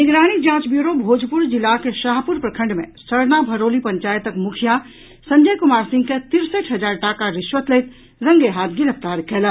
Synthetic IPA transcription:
nɪɡɾaːnik̚d͡ʒãːt͡ʃbjuɾobʱoːd͡ʒʱpuɾd͡ʒɪlːakeʃaɦpuɾpɾəkʰə̃ɳɖmḛ̃səɾnabʱəɾoːlipə̃ɲt͡ʃaːjət̪əkmukʰija | sə̃ɲd͡ʒəjkumaːɾsɪ̃ŋɡket̪ɪɾsəʈʰɦəd͡ʒaːɾʈakaɾɪʃʋət̪lejt̪ | ɾə̃ŋɡeɦat̪ɡɪɾəpt̪aɾkʰelə

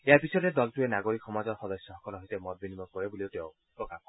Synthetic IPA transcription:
ejaɹpisɔded̪ɔltuenaɡoɾikʰːɔmazɔɹxɔd̪ɔsjɔɦɔkɔlɔɦojtemɔt̪̚binimɔkɔɹebulioteʊ̃ | pɹɔkap̚kɔ

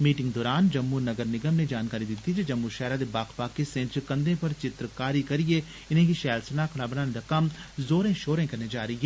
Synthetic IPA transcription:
miːʈɪ̃ŋɡd̪ɔːɾaːnd͡ʒɐmːuɾnɐɡəɾnɪɡəmned͡ʒaːnkaːɾid̪ɪt̪id͡ʒed͡ʒɐmːuɾʃɛːɾad̪ebaːkpaːkːisẽːɳʈt͡ʃkɐ̃nd̪ẽpɐɾt͡ʃɪt̪ɾkaːɾikɐɾie | ɪnẽkiʃɛːlsənakʰɐɽ̃abɐnaːnẽd̪akɐmzoːɾẽʃoːɾẽkɐɾned͡ʒaːɾɐiɦɛː

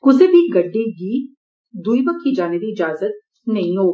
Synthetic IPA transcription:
kʊsebʱiɡɐɖːiɡi | d̪uibəkʰːid͡ʒaːned̪iɪd͡ʒaːzət̪̚ | nɐɦĩɦoː

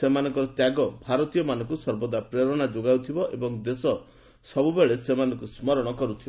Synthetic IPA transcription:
semanɔŋkɔɾɔt̪jaɡɔbʱaɾɔt̪ijɔmanɔ̃ŋkusɔɾbɔd̪apɾeɾɔɽ̃ad͡ʒoɡawt̪ʰibɔʔebɔŋd̪esɔ | sɔbubeɭesemanɔŋkusmɔɾɔɽ̃ɔkɔɾut̪ʰibɔ

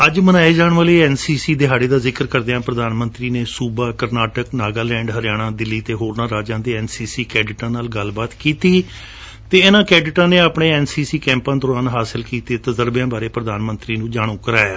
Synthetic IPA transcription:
əd͡ʒmənaːeːd͡ʒaːɳ̃ʋəːleiːɛːnsiːsiːd̪eːɦaːɽeːd̪aːzɪkəɾkəɾd̪eãːpɾəd̪aːnmə̃nt̪ɾiːneːsuːbaːkəɾnaːʈəknaːɡaːlɛ̃ːɳɖɦəɾɪjaːɽ̃ãːd̪ɪlːiːt̪eːɦoːɾnãːɾaːd͡ʒãːd̪eːɛːnsiːsiːkɛːɖɪʈãːnaːlɡəlbaːt̪kiːt̪iː | t̪eːɪnãːkɛːɖɪʈãːneːapɳẽːɛːnsiːsiːkɛ̃ːmpãːd̪ɔːɾaːnɦaːsəlkiːt̪eːt̪əzəɾbjãːbaːɾeːpɾəd̪aːnmənt̪ɾiːnũːd͡ʒaːɽ̃ũːkəɾaːjaː

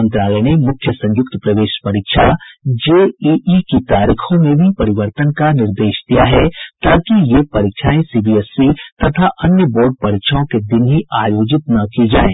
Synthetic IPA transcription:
ə̃nt̪ɾaːləːɽ̃imʊkʰjəsɐ̃ɲjʊk̚t̪pɾɐʋeːʃpɐɾiːkʃʰad͡ʒeːiʔikit̪aːɾiːxʰõmẽbʱipɐɾɪʋəɾt̪ənkanɪɾd̪eːʃd̪ijaɦɛt̪aːkijepɐɾikʃʰaːẽsiːbiːɛsːit̪ɐt̪ʰaʔɐnjəboːɾɖ̚pɐɾikʃʰaõked̪ɪnɦiaːjoːd͡ʒɪt̪nɐkid͡ʒaːḛ̃ː

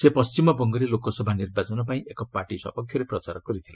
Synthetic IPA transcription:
sepʌst͡ʃimɔbɔŋɡɔɾilokɔsɔbʱanirbat͡sɔnɔpaĩʔekɔpaʈisɔ̰pɔkʰjɔɾeprɔt͡saɾɡ̥ɔɾit̪ʰila

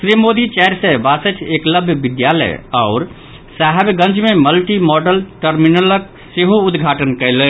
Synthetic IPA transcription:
sɾimod̪it͡ʃɛɦɾsebasət̪ʰekləbʱjəbɪd̪jalə̰jaʊɾ | saɦɛbɡə̃nt͡ʃmeməlʈimɔɖəlʈəɾminələk̚ | seɦoʊd̪ɡʱaːʈənkəɪlə

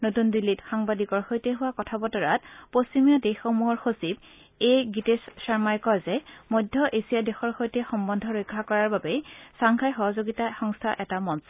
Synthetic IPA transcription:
notundilːitxaŋbadikɔɹxojtɛɦʊwakɔtʰabɔtɔɹat̚post͡ʃimijadexːomuɦɔɹxosib | ejɡitessaɹmajkɔjzɛmojdʱːɔʔesijadɛxɔɹxojtɛxɔmbɔndʱɔɹojkʰːakɔɹaɹbabesaŋkʰajxɔɦɔzoɡitaxɔŋstʰaʔɛtamɔns

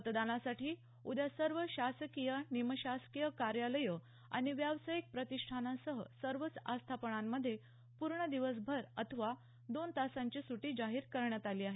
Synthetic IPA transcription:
ət̪d̪anasaʈiː | ud̪jasəɾʋəɕasəkijəniməɕaskijəkaɾjaləjə | a̰ɽ̃iʋjaʋsajik̚pɾət̪iʂʈʰanasəɦə̰səɾʋət͡sast̪ʰapəɳamːəd̪ʱːje | puɾɳəd̪iʋəs̬bʱəɾət̪ʰəʋa | d̪ont̪asãɲt͡ɕiːsuʈiːd͡ʑaɦiːɾkəɾɳjat̪aliːaɦe

